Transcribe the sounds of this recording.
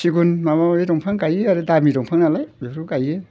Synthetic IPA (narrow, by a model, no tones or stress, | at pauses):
siɡunmamaidɔŋpʰaŋkajeaɾɯdamidɔŋpʰaŋnalajbeɾukaje